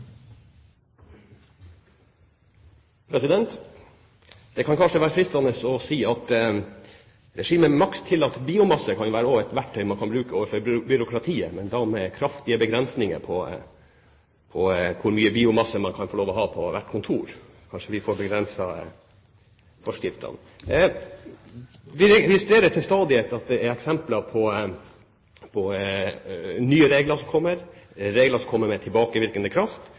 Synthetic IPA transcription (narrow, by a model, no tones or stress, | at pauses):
pʰɾɛsɪd̪ɛnt̪ | d̪̥ɛkʰɑnkʰɑnʂəʋæːɾəfɾɪst̪ɑnəsɔsiːɑt̪ | ɾɛʂiːməmɑkst̪ʰːɪlɑt̪biːʊmɑsːəkʰɑnjʊʋæːɾəoːɛt̪ʋæʈʰːœʏmɑnkʰɑnbɾʉːkəʔoːʋəɾfɔɾbʏɾʊkɾɑt̪ʰiːəmɛnd̪ɑmɛkʰɾɑft̪ɪəbəɡɾɛnsnɪŋə̰pʰɔ | pʰɔkʰʊɾmyːəbiːʊmɑsːəmɑnkʰɑnfɔɭoːʋɔɦɑːpʰɔʋæʈːkʰʊnt̪ʰuːɾ | kʰɑnʂəʋɪfɔɾbɛɡɾɛnsɑ | fɔʂkɪft̪ʰɑ̰n | ʋɪɾɛɪst̪ɾeːɾəʈ̪ʰɪlst̪ɑːd̪ɪət̪ɑt̪̚d̪ɛæɾɛksɛmplɑpʰɔ | pʰɔ | nyːəɾeːɡləʂɔmkʰɔmːəɾɾeːɡləʂɔmkʰɔmːəɾmɛt̪ʰɪlbɑːkəʋɪɾkənəkʰɾɑft̪